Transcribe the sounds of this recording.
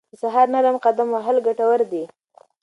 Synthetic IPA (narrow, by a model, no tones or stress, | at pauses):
d̪əsaɦɑɾnaɾamqad̪amaɦalɡaʈawəɾd̪i